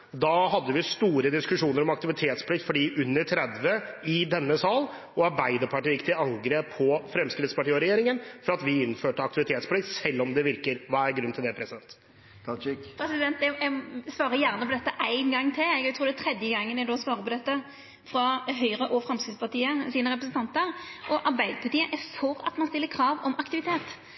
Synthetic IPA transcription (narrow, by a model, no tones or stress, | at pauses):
d̪ɑɦɑd̪ːəʋɪst̪uːɾəd̪ɪskʉʂuːnəɾɔmɑk̚t̪ɪʋɪt̪ʰeːt̪spʰlɪkt̪fɔɖiːʔʉnːəɾʈʰɾɛd̪ʋəɪd̪ɛnːəsɑːl | ɔɑɾbæɪd̪əɾpʰɑʈiːjɪkt̪ʰɪlɑŋɡɾeːpʰːɔfɾɛmskɾɪt̪spɑʈiːɔɾɛjeːɾɪŋənfɔɾɑt̪ʋɪɪnːføːʈəɑkt̪ɪʋɪt̪ʰeːt̪spʰlɪkt̪sɛlːɔmd̪ɛʋɪɾkəɾʋæːæɾɡɾʉnːt̪ʰɪld̪ɛpʰɾɛsɪd̪ɛnt̪ | pʰɾɛsɪd̪ɛnt̪ɛsʋɑːɾəjæʁnəpʰɔd̪ɛt̪ːəʔæɪnɡɑŋːt̪ʰɪlɛɡt̪ɾuːd̪ɛt̪ʰɾɛd̪jəɡɑŋːənɛd̪oːsʋɑːɾəpɔd̪ɛt̪ːə | fɾɑɦœʏʁəʔɔfɾɑmskɾɪt̪spɑʈ̪iːəsiːnəʁɛp̬ɾəsənt̪ʰɑnt̪əɾʔɔʔɑɾbæɪd̪əpʰɑʈiːəʔɛfɔʁɑ̰t̪mɑnst̪ɪlːəkʰɾɑːʋɔmɑkt̪ɪʋɪt̪ʰeːt̪